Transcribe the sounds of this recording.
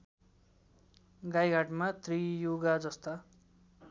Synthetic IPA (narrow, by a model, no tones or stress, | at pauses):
ɡajɡʱaʈmat̪rijoɡad͡zʌst̪a